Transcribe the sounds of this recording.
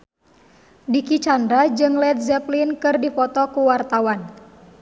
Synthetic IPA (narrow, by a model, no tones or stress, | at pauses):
dikit͡ʃandɾad͡ʒɨŋlɛt̪̚zɛplinkɨrdifɔt̪ɔkuwart̪awan